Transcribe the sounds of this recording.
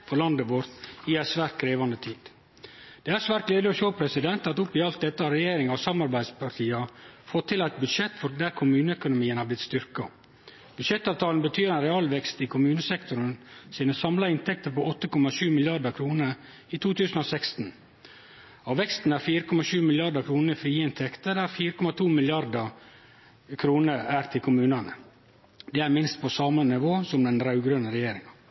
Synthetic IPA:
fɔɾlɑnd̪əʋoɾt̪ɪæsʋæːɾt̪̚kʰɾeːʋɑnd̪ət̪ʰiːd̪̥ | d̪̥ɛːæɾsʋæːɾt̪̚ɡleːd̪ɪɔʃoːpʰɾɛsɪd̪ɛnt̪ɑt̪ʊpːɪɑlt̪̚d̪ɛt̪ːəɑɾɛjeːɾɪŋɑʋsɑmɑɾbæɪd̪spʰɑʈ̪ʰiːɑfɔt̪ʰːɪlæt̪̚bʉd̪ʃɛt̪ːfɔɾd̪æɾkʰʊmʉːnəœkʊnʊmiːənhɑblɪt̪st̪ʏɾkɑ | b̥ʉd̪ʂɛt̪ːɑːʋt̪ʰɑːlnbət̪ʰyːɾɛnɾɛɑːlʋɛkst̪ɪkʰʊmʉːnəsɛkt̪ʊɾənsiːnəsɑmlɑɪnt̪ʰɛk̚t̪əɾpɔʔɔt̪ːəkɔmɑʃʉːmɪljɑɖəkʰɾuːnəɾ | it̪ʰuːt̪ʰʉːsn̩oːsɛkst̪n̩ | ɑːʋɛkst̪n̩æɾfiːɾəkʰɔmɑʃʉːmɪljɑɖəkʰɾuːnəfɾiːɪnt̪ʰɛkt̪əɾæɾfiːɾəkɔmɑt̪ʰuːmɪljɑɾd̪ə | kʰɾuːnəɾæɾt̪ʰɪlkʰʊmʉːnɑnə̰ | d̪ɛæːɾmɪnst̪̚pʰɔsɑːmənɪʋoːsɔmd̪ɛnɾɑʉɡɾønəɾɛjeːɾɪŋɑ

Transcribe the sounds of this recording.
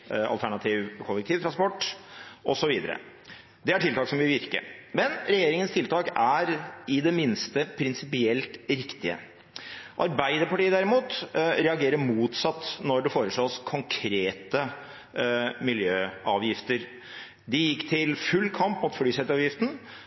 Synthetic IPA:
ɑ̰lt̪ʰæɳɑt̪ʰiːʋkʰɔlːək̚t̪ʰiːʋt̪ʰɾɑnspɔʈːʔɔsɔʋiːd̪ə̰ɾə̰ | d̪ɛæʈʰɪlt̪ɑːksɔmʋɪʋɪɾkə̰mɛnɾɛjeːɾɪŋənst̪ʰɪlt̪ʰɑːkæɾɪd̪ɛmɪnst̪əpʰɾɪnsɪpɪɛlt̪ɾɪkt̪ɪə̰ | ʔɑɾbæɪd̪əɾpɑʈiːəd̪æɾɪmuːt̪ɾɛɑɡeːɾəɾmuːt̪sɑt̪ːnɔɖɛfoːɾəʂɭoːskʰɔŋkʰɾeːt̪ə | mɪljøːɑːʋjɪft̪əɾ | d̪ɪjɪkːt̪ʰɪlfʉlːkʰɑmpːmʊːt̪fɽyːsɛt̪ɑːʋjɪft̪ən̩

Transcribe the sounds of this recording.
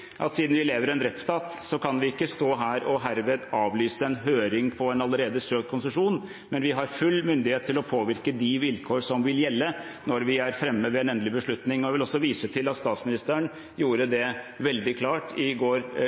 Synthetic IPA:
ʔɑ̰t̪siːd̪n̩ʋɪleːʋəɾɛnɾɛt̪st̪ɑːt̪sɔkʰɑnʋɪɪkːəst̪oːɦæːɾɔɦæɾʋeːd̪ɑːʋlyːsəɛnɦøːɾɪŋpʰɔɛnɑlːəɾeːd̪əsøːkt̪kʰʊnsəʂuːn | mɛnʋɪɦɑɾfʉlːmʏnd̪ɪheːt̪ʰːɪlɔpʰoːʋɪɾkəd̪ɪʋɪlkʰoːʂɔmʋɪljɛlːə | nɔɾʋɪæɾfɾɛmːəʋɛɛnɛnəlɪbəʂɭʉt̪nɪŋɔjæʋɪlɔsːɔʋiːsət̪ʰɪlɑt̪st̪ɑːt̪smɪnɪst̪əəɳ | juːɾəd̪ɛ | ʋɛld̪ɪkʰlɑːʈɪɡoːɾ

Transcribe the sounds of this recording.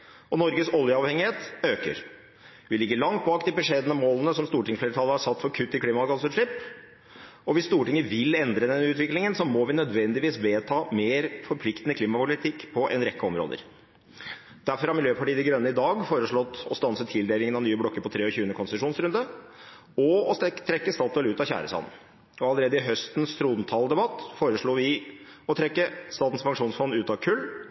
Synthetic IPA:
ɔnɔɾɡəsɔljəɑʋhɛŋɪheːt̪øːkə̰ɾ | ʋɪlɪɡːəɭɑŋt̪̚bɑːkd̪ɪbɛʂeːd̪ənəmoːlənəsɔmst̪uːʈɪŋfleːɾt̪ʰɑlːəhɑsɑt̪ːfɔɾkʰʉt̪ːɪkʰliːmɑɑɡɑsʉʂɭɪp | ɔʋɪst̪uːʈɪŋːəʋɪlɛnd̪ɾəd̪ɛnʉːt̪ʋɪklɪŋənsɔmɔʋɪnœd̪ʋɛnd̪ɪʋiːsʋeːt̪ʰɑːmeːɾfɔɾpʰlɪkt̪nəkʰliːmɑpʊlɪt̪ʰɪkːpʰɔʔɛ̰nɾɛkːəɔmɾo̰ːd̪ə̰ɾ | d̪̥æɾfɔɾɑɾmɪljøːpʰɑʈiːd̪ɛɡɾœnːəɪd̪ɑːɡfoːɾəʂɭɔt̪ːɔst̪ɑnsət̪ʰɪld̪eːlɪŋənɑnyːəblɔkːəɾpɔt̪ʰɾeːɔçʉːənəkʰɔnsʂuːnsɾʉnd̪ə | ɔɔt̪ʰɾɛkːəst̪ɑːt̪d̪eːlʉːt̪ɑçæ̰ːɾə̰sɑ̰nn | ɔɑləɾeːd̪əɪɦœst̪nst̪ʰɾuːd̪nt̪ʰɑld̪ɛbɑt̪ːfoːɾəʂɭuːʋɪɔt̪ʰɾɛkːəst̪ɑːt̪n̩spɑŋʂuːnsfɔnʉːt̪ɑʋkʰʉlː

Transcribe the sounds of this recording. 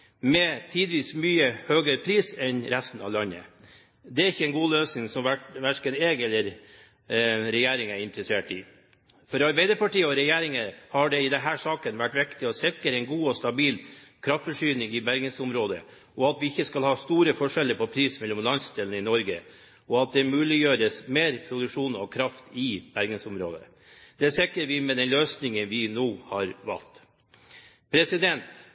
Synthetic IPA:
mɛt̪ʰiːd̪ʋiːsmyːəhøːɡəɾpʰɾiːsɛnɾæst̪n̩ɑ̰ʋlɑnːə̰ | d̪ɛæɾɪçːəɛnɡuːløːsnɪŋsɔmʋæʈʋæʂkəneːɡɛlːəɾ | ɾɛjeːɾɪŋæɾɪnt̪ɾəseːʈɪ | fɔɾɑɾbeɪd̪əɾpɑʈiːəɔɾɛjeːɾɪŋəhɑɖɛɪd̪ɛnɦæːʂɑːkənʋæʈːʋɪkt̪ɪɔsɪkəɾɛɪnɡuːɔst̪ɑbiːlkʰɾɑft̪fɔʂyːnɪŋɪbæɾɡənsʊmɾoːd̪ə̰ | ɔɑt̪ʋɪɪçːəskɑlhɑːst̪uːɾəfɔʂɛlːəɾpʰɔpʰɾiːsmɛlːɔmlɑnst̪ɪlənəɪnɔɾɡə̰ | ɔɑt̪̚d̪ɛmʉːlɪjøːɾəsmeːɾpʰɾʊd̪ʉkʂuːnɔ̰kʰɾɑft̪ɪbæɾɡənsʊmɾo̰ːd̪ə̰ | d̪̥ɛæsɪkːəɾʋɪmɛd̪ɛnløːsnɪŋənʋɪnoːhɑɾʋɑ̰lt̪ | pʰɾɛsɪd̪ɛnt̪

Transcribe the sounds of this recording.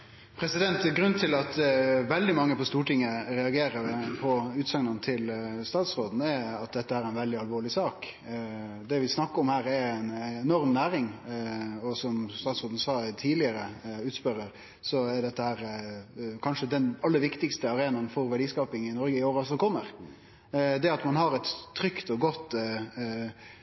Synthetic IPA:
pʰɾɛsɪd̪ɛnt̪ɡɾʉnt̪ʰɪlɑt̪ʋɛld̪ɪmɑŋːəpɔst̪uːʈɪŋːəɾɛɑɡeːɾəɾpʰɔʉːt̪sɑŋnɑnət̪ʰɪlst̪ɑːt̪sɾoːd̪n̩ɛɑt̪̚d̪ɛt̪ːəhæːɾæɪnʋɛld̪ɪɑlʋoːɭɪsɑːk | d̪ɛʋɪsnɑkːəɔmhæːɾɛɾɛnɛnɔɾmnæːɾɪŋ | ɔsɔmst̪ɑːt̪sɾoːd̪n̩sɑːt̪ʰiːd̪lɪəɾəʉːt̪spœɾəɾ | sɔɛɖ̪ɛt̪ːəhæːɾ | kʰɑnʂəd̪ɛnɑlːəɾʋɪkt̪ɪkst̪əɑɾeːnɑnfɔɾʋæɖiːskɑːpɪŋɪnɔɾɡəɪoːɾɑlsɔkʰɔmːəɾ | d̪ɛɑt̪mɑnɦɑɾɛt̪ʰːɾʏkt̪ɔɡɔt̪ː

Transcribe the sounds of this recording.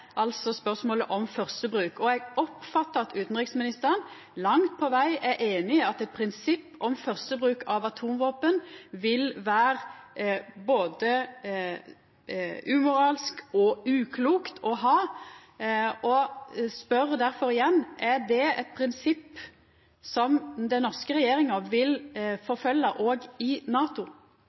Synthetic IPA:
ʔɑlt̪sɔspœʁsmoːləʔɔmfœʁst̪əbɾʉːkɔɛɡɔpfɑt̪ːəɾɑt̪ʉːt̪n̩ʁɪksmɪnɪst̪əɾən | lɑŋt̪̚pʰɔʋæɪɛʔeːnɪɑt̪ɛt̪̚pʰɾɪnsɪpːʔɔmfœʁst̪əbɾʉːkʰɑʋɑt̪ʰuːmʋoːpənʋɪlʋæːɾ | boːd̪ə | ʉːmʊɾɑːlskɔʉːkʰluːkt̪ʰɔɦɑː | ɔspœɾd̪æɾfɔɾɪjɛnːʔæɾd̪ɛɛt̪̚pʰɾɪnsɪpː | sɔmd̪ɛnɔʁskəɾɛjeːɾɪŋəʋɪlfɔɾfœlːɑʔoːɡɪnɑːt̪ʊ

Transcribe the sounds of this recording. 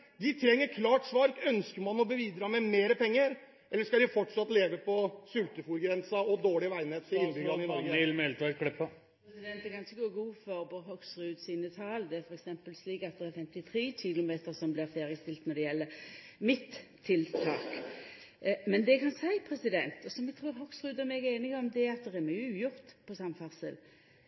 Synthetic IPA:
d̪ɪt̪ʰɾɛŋːəɾkʰlɑːʈsʋɑɾkœnskəɾmɑnɔbəʋiːd̪ɾɑːmɛmeːɾəpʰɛŋːəɾ | ʔɛlːəʂkɑd̪ɪfɔʈːʂɑt̪ːleːʋəpɔsʉlt̪əfuːɾɡɾɛnsɑɔd̪oːɭɪʋæɪneːt̪ʰɪɪnbʏɡɑmɛlt̪ʋækɽɛpːə | pɛsɪd̪ɛnt̪̚d̪ɛkʰɑnɪçəɡoːɡuːfɔɾboːhɔksʁʉːd̪siːnət̪ʰɑːld̪ɛæfɔʁɛksɛmpəlsliːkɑt̪̚d̪ɛæɾfɛmt̪ɪt̪ʰɾeːɕɪlʊmeːt̪əɾsɔmblɪɾfeːʁɪəst̪ɪlt̪nɔɾd̪ɛjɛlːə | mɪt̪ʰː | ɪlt̪ʰɑːk | mɛnd̪ɛkʰɑnsæɪpʰɾɛsɪd̪ɛnt̪ɔsɔmɛɡ̚t̪ʰʁuːɾɦɔksʁʉːd̪ɔmɛːɡeːnɪɡɔmd̪ɛɑt̪̚d̪ɛʁæmyjʊʉːjʊʁt̪pʰɔsɑmfɑʁsə̰l

